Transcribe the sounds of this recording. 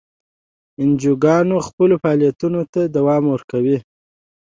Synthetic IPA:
ɪnd͡ʒuɡɑnoxpəlofɑɑlijat̪unot̪ad̪awɑmwəɾkawi

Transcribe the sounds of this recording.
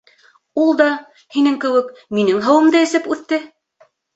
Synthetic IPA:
ulˠd̪ɑ | hinɘŋkɘ̆wɘkminɘŋɦɤ̆wɤ̆md̪ɑɘ̆sɘpʉθt̪ːɘ

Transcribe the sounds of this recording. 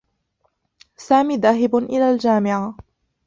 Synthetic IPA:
saːmiːðaːɦɪbʔɪlaːld͡ʒaːmɪʕa

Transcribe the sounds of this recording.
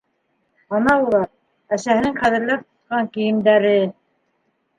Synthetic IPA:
ɑnɑulˠɑɾ | æsæhɘ̆nɘŋχæðɘ̆ɾlæp̚t̪ŏ̥t̪̚qɑŋkĭjɘ̆md̪æɾɘ

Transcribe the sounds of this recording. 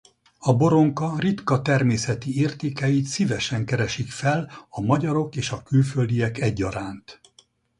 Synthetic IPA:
ɒbo̞ɾo̞ŋkɒrit̪kɒt̪ɛrmeːsɛt̪ieːrt̪eːkɛjit̪sivɛʃɛŋkɛɾɛʃikfɛlɒmɒɟɒɾo̞keːʃɒkylføld̪ijɛkɛɟːɒɾaːnt̪

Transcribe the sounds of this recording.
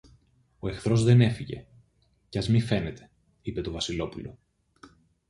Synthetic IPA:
o̞e̞xθɾo̞zðe̞ne̞fiʝe̞̰ | cɐzmife̞ne̞t̪ʰe̞̥ | ipe̞t̪o̞vɐsilo̞pulo̞̰

